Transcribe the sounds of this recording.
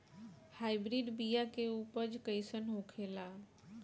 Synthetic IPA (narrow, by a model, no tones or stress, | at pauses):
haɪbɾiɖbijakeupəd͡ʒkəɪsənɦõkʰela